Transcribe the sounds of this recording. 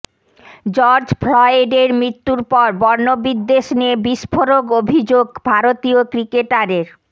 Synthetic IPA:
d͡ʑɔɾd͡ʑfʰlɔeɖeɾmɾit̪ːuɾpɔɾbɔɾnobid̪ːeʃneebiʃpʰoɾoɡobʱid͡ʑoɡbʱaɾot̪iokɾikeʈaɾeɾ

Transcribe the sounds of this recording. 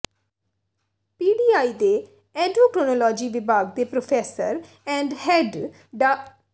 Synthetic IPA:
piːɖiːaːiːd̪eː | ɛ̃ːɖɾoːkɾonoːlɔːd͡ʒiːʋɪbaːɡd̪eːpɾopʰɛːsəɾ | ɛ̃ːɳɖhɛɖ | ɖa

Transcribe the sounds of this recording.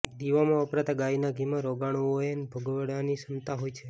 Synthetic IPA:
d̪iʋamãəpɾat̪aɡainaɡʱimãɾoɡaɳ̃oenbʱəɡʋəɽanisənt̪aɦojt͡ʃʰe

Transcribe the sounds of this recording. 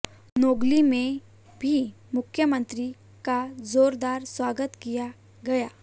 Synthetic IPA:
noɡlimẽ | bʱi | mʊkʰjəmənt̪ɾi | kazoːɾd̪aːɾswaɡət̪kija | ɡɐja

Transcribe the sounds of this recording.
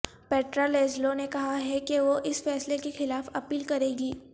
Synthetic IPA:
peːʈɾoːleːzlonekɐɦaɦɛkeʋoʔɪsfɛːslekexɪlaːfɐpiːlkɐɾẽːɡiː

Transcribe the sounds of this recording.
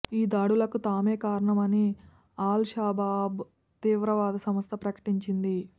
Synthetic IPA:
iːd̪aːɽulɐkut̪aːmeːkaːɾɐɳɐmɐni | aːlʃaːbaːb | t̪iːʋɾɐʋaːd̪ʱɐsɐmɐst̪ɐpɾɐkɐ̥ʈiɲt͡ʃind̪i

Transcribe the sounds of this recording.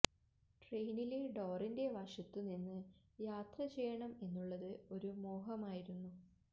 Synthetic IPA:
ʈrejnileɖo̞ːrinde̞ʋɐʂɐt̪ːuninːɨ | jaːt̪rɐt͡ɕe̞jːɐɳɐme̞nːuɭːɐðɨo̞ɾumo̞ːɦɐmaːjiɾunːu

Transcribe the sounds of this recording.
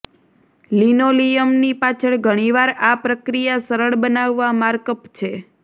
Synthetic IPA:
linolijəmnipat͡ʃʰəɭɡʱəɽ̃iʋaɾapɾəkɾijasəɾəɭbənaʋːamaɾkəpt͡ʃʰe

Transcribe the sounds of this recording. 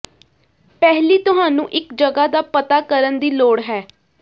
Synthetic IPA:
pɛɦliːt̪ʊɦaːnũːʔɪkd͡ʒəɡaːd̪aːpət̪aːkəɾənd̪iːloːɽɦɛː

